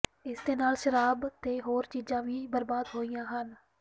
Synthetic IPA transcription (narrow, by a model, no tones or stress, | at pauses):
ɪsd̪eːnaːlʃəɾaːbt̪eːɦoːɾt͡ʃiːzãːʋiːbəɾbaːd̪ɦoːijãːɦən